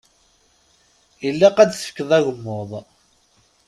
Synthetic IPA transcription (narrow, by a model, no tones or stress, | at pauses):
jəlːaqæd̪θə̥fə̥kːəðˤæɣəmːoðˤ